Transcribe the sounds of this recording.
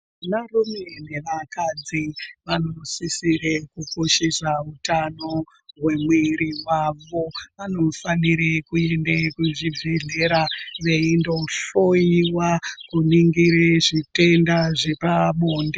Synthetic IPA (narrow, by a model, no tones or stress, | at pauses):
narumeneʋakad͡ziʋanosisiɾekukoʃesautano | ɦwe̞mwiɾiɦwaʋo̞ʋano̞faniɾekue̞ndekuʐivʱeɮeɾaʋe̞indo̞ɬojiwakuniŋɡiɾeʐite̞ndaʐe̞pamoːnde